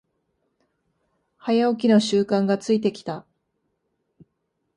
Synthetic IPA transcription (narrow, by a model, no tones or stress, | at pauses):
hajaok̬ʲino̞ɕɨːkãŋɡat͡sɨit̪e̞kʲi̥t̪a